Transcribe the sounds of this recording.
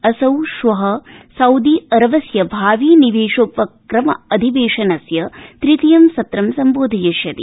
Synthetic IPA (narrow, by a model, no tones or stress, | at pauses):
ɐsɐwʃʋɐɦɐsɐwd̪iɐɾɐʋɐsjɐbʱaːʋiːniʋeːʂoːpʋɐkkɾɐmɐ̰ɐd̪ʱiʋeːʂɐnɐsjɐt̪ɾit̪ijɐmsɐt̪ɾɐmsɐmboːd̪ʱɐjɐʃjɐt̪ḭ